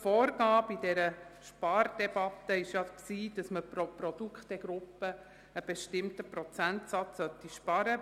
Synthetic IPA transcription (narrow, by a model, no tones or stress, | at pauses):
fɔːɾɡɑːbidɛɾəʃpɑɾd̥ɛbɑt̪ːəɪʃjɑksiːd̥ɑsməpɾopɾɔd̥ukχtɛɡ̥ɾʊpːə | əb̥ɛʃtɪmtəpɾɔt͡sæntsɑt͡ssœt̪ːiʃpɑɾə